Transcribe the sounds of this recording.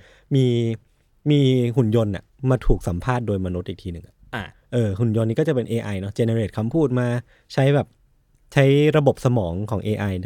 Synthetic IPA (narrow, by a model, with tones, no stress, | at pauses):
miː˧ | miː˧ɦu˨˩njo˧nʔa̰˨˩ʔmaː˧t̪ʰuː˨˩k̚sa˩˦mpʰaː˥˩t̪̚doː˧jmaː˧no˦˥t̪̚ʔiː˨˩kt̪ʰiː˧nɯ˨˩ŋʔa˨˩˧ʔɤː˧ɦu˨˩njo˧nːi˦˥kɔː˥˩a˨˩pe˧nʔeː˧ʔa˧jnɔ˦˥t͡ɕe˧ne˧ɾeː˨˩t̪̚kʰa˧mpʰuː˥˩t̪̚maː˧ | t͡ɕʰa˦˥jbɛː˨˩p̚ | t͡ɕʰa˦˥jɾa˧bo˨˩p̚sa˧mɔː˩˦ŋkʰɔː˩˦ŋʔeː˧ʔa˧j